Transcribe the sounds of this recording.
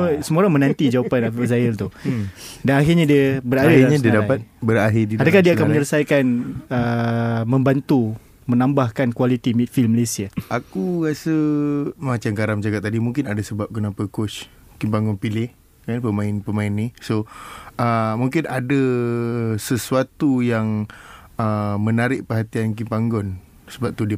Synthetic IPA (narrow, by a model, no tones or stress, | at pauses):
əsəmuoɾaŋmə̃nãnt̪id͡ʒawapanapiəzajəlt̪u | danaɦirɲadiəbəɾadaaɲadiədapat̪̚bəɾaɦɪdiadakadiaakaməɲələsajkanəmə̃mbant̪u | mənãmbahkankwalit̪imit̪̚filməlesiaakuɣasəmat͡ʃamkaɾamd͡ʒakat̪̚ːadimuŋkɪnadasəbap̚kənapəkot͡ʃ | kimpaŋɡɔnpilɪh | kanpəmãɪnpəmãɪnːisoəmuŋkɪnada | səsuat̪ujaŋ | əmənaɾɪʔ̚pəɦat̪iank̬impaŋɡɔn | səbap̚t̪ud